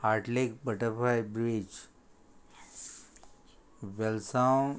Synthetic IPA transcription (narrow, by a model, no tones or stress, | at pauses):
haɾʈlek̚bəʈəɾpʰajbɾid͡ʒ | ʋɛlsaw